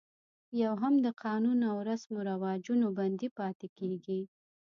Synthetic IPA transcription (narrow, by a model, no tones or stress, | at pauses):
jawɦamd̪əqʰɑnunawɾasmoɾawɑd͡ʒunoband̪ipɑt̪ekeɡi